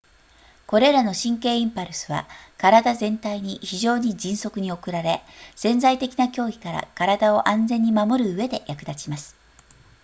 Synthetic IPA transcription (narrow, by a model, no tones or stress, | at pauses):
ko̞ɾe̞ɾano̞ɕĩŋke̞ːĩmpaɾɯ̟sɨβa̰kaɾad̪azẽ̞nt̪aiɲ̟içiʑo̞ːɲ̟id͡ʑĩɰ̃so̞kɯ̟ɲ̟io̞kɯ̟ɾaɾe̞sẽ̞nd͡zait̪e̞kʲinakʲo̞ːɡʲi̥kaɾa̰kaɾad̪ao̞ʔãnd͡zẽ̞ɲ̟ːimamo̞ɾɯ̟ɯe̞d̪e̞jakɯ̟d̪at͡ɕimasɨ̥